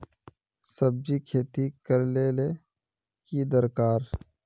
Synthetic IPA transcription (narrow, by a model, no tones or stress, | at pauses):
səb̚d͡ʒikʰeːt̪ikəɾleːle | kid̪əɾkaːɾ